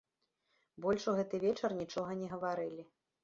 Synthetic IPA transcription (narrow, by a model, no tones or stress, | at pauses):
bɔlʲʂuɣɛt̪ɨvʲɛt͡ʂɐrnʲit͡ʂɔɣɐnʲɛɣɐvaɾɨlʲi